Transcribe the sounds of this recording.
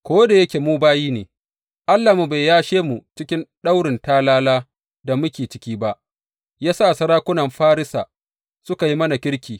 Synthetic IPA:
kʷoː˦da˨jɐ˦kʲe˨muː˦baː˦jiː˦neː˨ | ʔa˦lːa˨mu˨ba˨jjaː˦ʃeː˦mu˨t͡ʃɪ˦kʲɪ˦nɗa˦wɽɪ˨ntaː˦laː˦laː˦ | da˨mʊ˦kʲeː˨t͡ʃɪ̥˦kʲiː˦ba˦ʔ | jaː˦sa˦˨sɐ˦ɾaː˦kʷʊ˦nɐ˨mɸaː˦ɾɪ˦saː˨ | sʊ˦ka˨ji˦mɐ˦na˨kʲɪ˦ɽkʲiː˨

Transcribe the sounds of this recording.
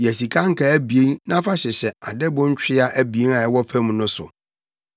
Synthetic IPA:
jɛ˨s̬i˨kʰã˦ŋ̩˦kʰa˨æ˦bi˨e˦nnã˦fa˦ɕɛ˨ɕɛ˨a˨dɛ˦bʊ̃˦ɲ̩˦t͡ɕᶣɪ˦a˦ʔæ˦bi˨e˦n˦a˨ɛ˦wɔ˦fæ̃˦mũ˨˦nʊ̃˦sʊ̰˨

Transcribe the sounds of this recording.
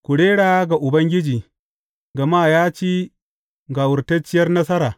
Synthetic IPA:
kʷʊ˨ɽeː˦ɽaː˨a˦ɡa˨ʔʊ˨bɐ˦ŋɡʲɪ˦d͡ʒiː˨ | ɡɐ˨maː˦˨jaː˦t͡ʃiː˦ | ɡa˨wʊ˨rtɐ˦t͡ʃːɪ˦jɐ˦rnɐ˦sɐ˦ɾaː˨

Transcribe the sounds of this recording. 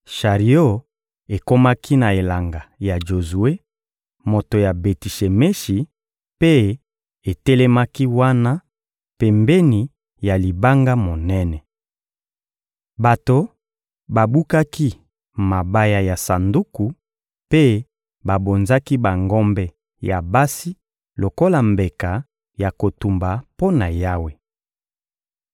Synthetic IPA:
ʃa˨ʁi˨o˦˨ | e˨ko˦ma˦ki˦na˨e˨la˨ŋɡa˨ja˨ʒo˨zu˨e˦ | mo˨to˨ja˨be˨ti˨ʃe˨me˦ʃi˨ | pe˦ | e˨tɛ˦lɛ˦ma˦ki˦wa˦na˦ | pe˨mbe˦ni˨ | ja˨li˨ba˦ŋɡa˦mo˨nɛ˦nɛ˨ | ba˨to˨ | ba˨bu˦ka˦ki˦ | ma˨ba˦ja˨ja˨sa˨ndu˦ku˨ | pe˦ | ba˨bo˨nza˦ki˦ba˨ŋɡɔ˦mbɛ˦ | ja˨ba˦si˦ | lo˨ko˦la˨mbe˨ka˨ | ja˨ko˨tu˨mba˨po˦na˨ja˦we˨

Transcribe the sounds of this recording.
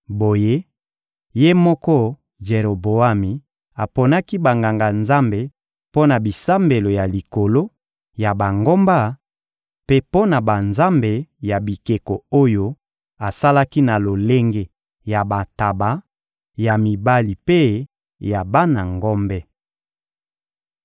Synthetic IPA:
bo˨je˦ | je˦mɔ˦kɔ˦ | ʒe˨ɾo˨bo˨a˦mi˨ | a˨po˨na˦ki˦ba˨ŋɡa˨ŋɡa˨nza˦mbe˨ | po˦na˨bi˨sa˦mbe˨lo˨ja˨li˨ko˨lo˦ | ja˨ba˨ŋɡo˦mba˦ | pe˦po˦na˨ba˨nza˦mbe˨ja˨bi˨ke˨ko˨o˦jo˦ | a˨sa˦la˦ki˦na˨lo˨le˦ŋɡe˦ | ja˨ba˨ta˨ba˨ | ja˨mi˨ba˦li˨pe˦ | ja˨ba˦na˨ŋɡɔ˦mbɛ˦

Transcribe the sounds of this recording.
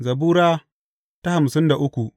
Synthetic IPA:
zɐ˨buː˦ɾaː˦ | ta˦ha˨m˨sɪ˦nda˨ʔʊ˦kʷu˨ʔ

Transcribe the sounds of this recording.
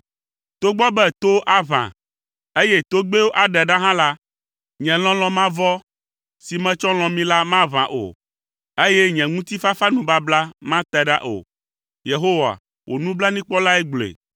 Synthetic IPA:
t̪o˦ɡ͡bɔ˦bɛ˦t̪o˦ʔa˦vã̰˨ | e˦jɛ˦t̪o˦ɡ͡be˦wo˦ʔa˨ɖɛ˨ɖa˦ɦã˦la˦ | ɲɛ̃˨l̃ɔ̃˦l̃ɔ̃˦mã˦vɔ˦ | si˨mɛ̃˦t͡ʃɔ˦l̃ɔ̃˨mĩ˦la˦mã˦vã̰˨ʔo̰˨ | e˦jɛ˦ɲɛ̃˨ŋũ˦t̪i˦fa˦fa˦nũ˨ba˦bla˦mã˦t̪ɛ˨ɖa̰˦ʔo̰˨ | je˨ɦo˦wa̰˨ | wʔo̰˨nũ˦bla˦nĩ˦k͡pɔ˦la˦ɛ˦ɡ͡blḛ˨

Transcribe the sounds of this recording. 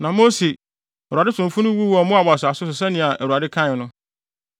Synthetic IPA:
nã˨mo˦si˨ | ɛ˨u˨a˨dɪ˦tsʰʊ̃˨m˨fʊ̃˦nʊ̃˦wu˦wɔ˨˦mʊ̃˦a˨ba˨sʊ˨a˨sʊ˦s̬ʊ˨s̬ɛ˦nɪ̃˨a˨ʔæ˨wu˨ɾa˨dɪ˦kʰã˦˨nʊ̃˦

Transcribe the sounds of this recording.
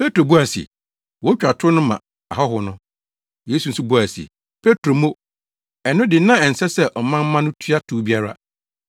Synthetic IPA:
pe˦tɾo˨bu˦a˨sḭ˨ | wɔ˦t͡ɕᶣa˨tʰʊ˦nʊ̃˦mã̰˨ | a˨ɦɔ˦ɦʊ˨nʊ̃˦ | je˦su˨n̩˦su˦bu˦a˨sḭ˨ | pʰe˦tɾo˨mõ˦ | ɛ˨nʊ̃˦dɪ˨˦nã˦ɛ˨n̩˨sɛ˦sɛ˦ʔɔ˨mã˦m˦mã˦nʊ̃˦tʰɥa˦tʰuː˨˦bi˦a˦ɾa̰˦

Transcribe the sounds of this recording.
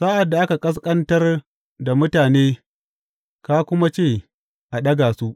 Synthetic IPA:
saː˦ʔa˨dːa˨ʔa˦ka˨kʼɐ˦s̬kʼɐ˦ntɐ˦r | da˨mʊ˦taː˨neː˦ | ka˦kʷʊ˦ma˦t͡ʃeː˦˨ | ʔa˨ɗɐ˦ɡaː˨su˦ʔ

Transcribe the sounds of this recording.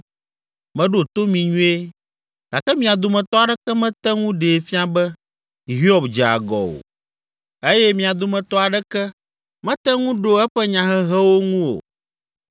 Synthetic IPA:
mɛ̃˦ɖo˨t̪o˦mĩ˨ɲũ˦e˦ | ɡ̥a̰˨kɛ˦mĩ˦a˨d̪o˨mɛ̃˨t̪ɔ˦a˨ɖɛ˦kɛ˦mɛ̃˦t̪ɛ˦ŋũ˦ɖe˨fi˦a˨bɛ˦ | i˨ɦi˦ɔ˦bd͡ʒɛ˨a̰˨ɡɔ̰˨o̰˨ | e˦jɛ˦mĩ˨a˨d̪o˨mɛ̃˨t̪ɔ˦a˨ɖɛ˦kɛ˦ | mɛ̃˦t̪ɛ˦ŋũ˦ɖo˦ɛ˦ɸɛ˦ɲã˨ɦɛ˦ɦɛ˦wo˦ŋũ˦wo̰˨

